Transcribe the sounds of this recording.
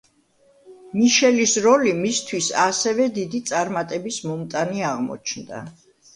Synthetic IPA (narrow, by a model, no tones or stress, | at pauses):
miʃɛlisɾɔlimist̪ʰwisa̰sɛvɛd̪id̪it̪sʼaɾmat̪ʼɛbismɔmt̪ʼaniaʁmɔ̰t͡ʃʰnd̪a̰